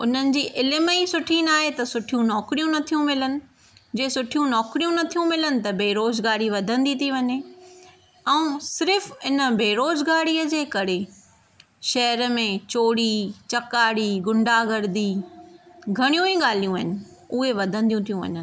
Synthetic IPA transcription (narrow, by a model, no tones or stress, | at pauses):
ʊn̤ənɪ̆d͡ʑiːʔɪlɪməisʊʈʰinaːɦet̪ɐsʊʈʰijũnɔːkɾijũnɐt̪ʰijũmɪlənɪ̆ | d͡ʑeːsʊʈʰijũnɔːkɾijũnɐt̪ʰijũmɪlənɪ̆t̪ɐbeːɾoːzɡaːɾiʋɐd̪ʱə̃nd̪it̪ʰiʋɐɲe | ɛ̃ːsɪɾɪfɪnə̆beːɾoːzɡaːɽiːəd͡ʑeːkɐɾe | ʃɐɦəɾəmẽt͡ɕoːɽit͡ɕɐkaːɽiɡʊ̃ɳɖaɡɐɾd̪i | ɡʱɐɽ̃ijũiɠaːl̤ijũaːɦɪnɪ̆ | ʊɦeʋɐd̪ʱə̃nd̪ijũt̪ʰijũʋɐ̰ɲənɪ̆